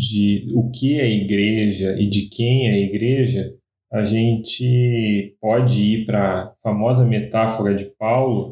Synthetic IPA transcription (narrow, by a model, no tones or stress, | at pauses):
d͡ʒɪʊkɪɛɐiɡɾeʒɐʔɪd͡ʒɪkʰẽj̃ɛɐiɡɾeʒɐ | aʒẽnt͡ʃɪpɔd͡ʒɪipɾɐfamɔzɐmet̪afoɾɐd͡ʒɪpawlʊ